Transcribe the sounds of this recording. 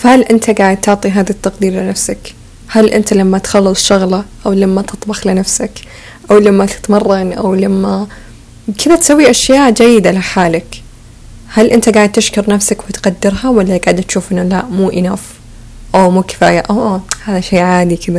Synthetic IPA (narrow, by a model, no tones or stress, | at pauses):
fahalʔɪnt̪aɡaːʕɪd̪̚t̪ʊʕt̪ˤiɦaːðat̪ːɑqd̪iːɾlɪnafsak | halʔɪ̰nt̪alamːat̪xɑlːɨsˤʃʊɣlɑʔawlamːat̪ɨt̪ˤbɑxlɪnafsak | ʔawlamːat̪ɪ̥t̪mɑrˤːɑnʔa̰wlamːa | kʰɪðat̪sawːiʔaʃjaːʔd͡ʒajːɪd̪alɪħaːlak | halʔɪnt̪aɡaːʕɪd̪̚t̪ɪʃkʊɾˤnafsakwɪt̪qad̪ːɪɾɦawalːaɡaːʕɪd̪at̪ʃuːfʔɪnːalaʔmuːʔɪnaf | ʔawmuːkɪ̥faːjaʔaʔhaːðaʃejːʕaːd̪ikʰɪða